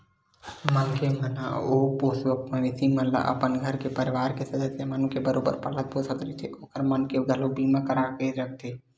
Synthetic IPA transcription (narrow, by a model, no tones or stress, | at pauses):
mənkeməna̰oːpoːsəkmə̃ʋɪsimənla̰ʔə̰pənɡʱəɾkepəɾɪʋaːɾkesɐd̪əsjamaːnũkebəɾoːbə̰ɾpələt̪̚poːsət̪ɾit̪ʰeʔoːkəɾmənkeɡʱəlobiːmãkəɾaːkeɾək̚ʰt̪ʰeː